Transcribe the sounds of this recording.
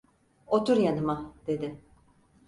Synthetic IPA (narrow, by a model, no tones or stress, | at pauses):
ot̪ʰuɾjanɯmad̪̥e̞d̪ɪ